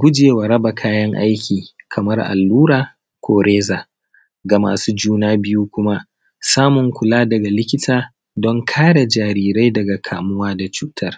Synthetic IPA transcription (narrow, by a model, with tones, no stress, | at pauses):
ɡʷʊ˦d͡ʒeː˨wa˨ɾɐ˦ba˨kʰaː˦jɐ˦ŋʔa̰˦jkʲiː˨kʰɐ˨mɐ˦rʔa̰˨lːuː˦ɾaː˨ | kʷʰoː˨ɾeː˦zaː˨ | ɡa˨ma̰ː˨suː˦d͡ʒuː˦naː˦bɪ˦ju˦kʷʊ˦ma˦ | saː˦mʊ˨ŋkʷʊ˨laː˦dɐ˨ɡa˨lɪ˦kʲɪ˦tʰaː˨ | dɔ˦ŋkʰaː˦ɽa˨d͡ʒaː˨ɾiː˨ɾa˦jdɐ˨ɡa˨kʰaː˨mʊ˦waː˦da˨t͡ʃuː˨tʰɐ˦r